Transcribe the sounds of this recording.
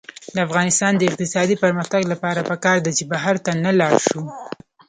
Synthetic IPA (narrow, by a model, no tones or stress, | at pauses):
d̪əafɣɑnɪst̪ɑnd̪əɪq̚t̪ɪsɑd̪ipəɾmaxt̪aɡlapɑɾapəkɑɾd̪at͡ʃebaɦaɾt̪analɑɾʃu